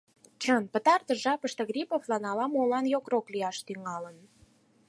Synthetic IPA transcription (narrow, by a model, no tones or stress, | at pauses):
t͡ɕənpə̆t̪ɑrt̪əʒɑpəʃt̪ɤ̆ɣrʲipoflɑnɑlɑmolɑnjokrokliɑʃt̪yŋɑlən